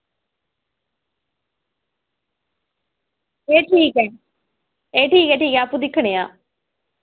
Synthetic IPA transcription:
eːʈʰiːkɛ | eːʈʰiːkeʈiːkɛapːud̪ɪkʰːəɽ̃ejaː

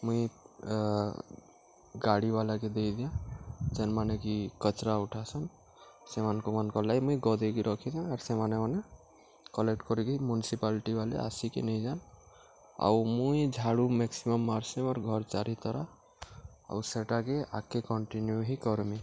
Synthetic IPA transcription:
mũĩ | ɡaɽibalaked̪ejd̪ijãd͡ʒenmanekikɔt͡ʃɾauʈʰasɔn | semankomankɔlajmũĩɡɔd̪ʱekiɾʔɔkʰid̪ãaɾsemanemɔne | kɔlek̚ʈkɔɾik̪imjunisipalʈibalḛa̰sikḛnɛj̃d͡ʒan | a̰wmũĩd͡ʒʱaɽumeksimɔmːaɾsimɔɾɡʱɔɾt͡ʃaɾit̪ɔɾa | a̰useʈakea̰kːekɔɳʈinjuɦikɔɾmĩ

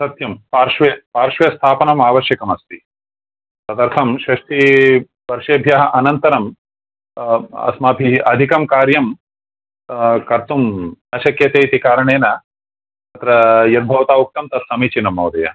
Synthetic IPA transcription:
sɐt̪jɐmpaːɾʂʋɐpaːɾʂʋɐjɐst̪ʰaːpɐnɐmaːʋɐʃjɐkɐmɐst̪i | sɐd̪ɐɾt̪ʰɐmʃɾɐʂʈi | pɐɾʂeːbʱjaːɦɐʔɐnɐnt̪ɐɾɐm | ɐ̰smaːbʱiɐd̪ʱikɐmkaːɾjɐm | kɐɾt̪umɐʃɐkjɐt̪eːt̪ikaːɾɐɳeːnɐ | ɐt̪ɾɐjɐɾ̚bʱɐʋɐt̪aːuk̚t̪ɐmt̪ɐt̪ʰsɐmiːt͡ʃinɐmːɐwd̪ɐjɐ̰

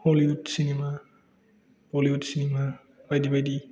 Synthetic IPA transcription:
holiudsinima | holiudsinima | bajdibajdi

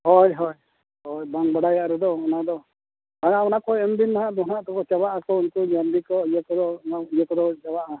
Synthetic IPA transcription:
hɔjɦɔj | ɦɔjbaŋbaɽajaʔɾɛd̪ɔɔnad̪ɔ | k̪ananakɔɛmb̪inːaɦãʔd̪ɔnaʔt̪ɔkɔt͡ʃabaʔakɔunkud͡ʒanb̪ikɔijəkɔd̪ɔaijəkɔd̪ɔt͡ʃawaʔa

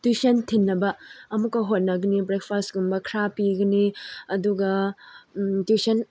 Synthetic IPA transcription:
twusɐntʰinːɐbɐɐmukːɐɦot̚nɐɡɐnibɾek̚pʰastɡumbɐkʰɾapiɡɐniɐduɡɐ | tisɐn

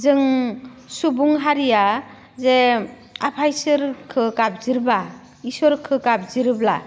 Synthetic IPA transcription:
zɯŋ | subuŋɦaɾija | ze | apʰajsɯɾkʰɯkab̚ziɾba | isɔɾkʰɯkab̚ziɾɯbla̰

